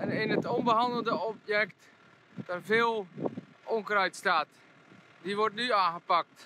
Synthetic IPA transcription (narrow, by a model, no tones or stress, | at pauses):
ɛnɪnətonbəɦɑndəl̩ˠdəɔpjɛkt | d̥arvɪːlˠ | ʔoŋkrœjtstaːt | diʋɔrtnyaːɣəpak̚t